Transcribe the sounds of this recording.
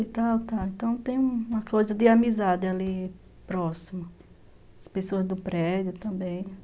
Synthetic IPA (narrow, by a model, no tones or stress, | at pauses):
it̪awt̪aẽnt̪ɐ̃w̃t̪ẽj̃ũũmɐkojzɐd̪ɪamizad̪ɪali | pɾɔsimɐ | ɐspesoɐzd̪ʊpɾɛd̪jʊt̪ɐ̃mbẽj̃